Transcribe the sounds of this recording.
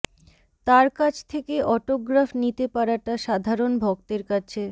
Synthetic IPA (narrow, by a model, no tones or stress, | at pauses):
t̪aɾkat͡ɕʰt̪ʰekeʔɔʈoɡɾafnit̪epaɾaʈaʃad̪ʱaɾonbʱɔk̚t̪eɾkat͡ɕʰe